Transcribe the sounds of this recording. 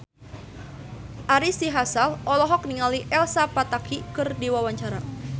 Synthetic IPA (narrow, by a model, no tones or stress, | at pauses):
ʔaɾisiɦasalʔɔlɔɦɔk̚niŋaliʔɛlsapat̪akikɨrdiwawaɲt͡ʃaɾa